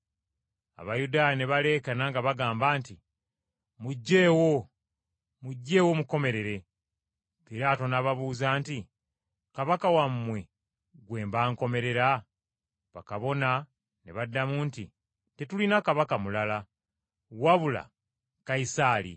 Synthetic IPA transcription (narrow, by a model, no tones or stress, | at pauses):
a̰βajudaːjane̞βale̞ːkanaŋɡaβaɡaːmbaːnti | muɟːe̞ːwo | muɟːe̞ːwo̞muko̞me̞ɾe̞ɾe̞ | piɾaːto̞naβaβuːzaːnti | kaβakawamːwe̞ | ɡwe̞ːmbaːŋko̞me̞ɾe̞ɾa | βa̰kaβo̞na | nḛβadːamuːnti | te̞tulinakaβakamulala | waβula̰ | kaisalḭ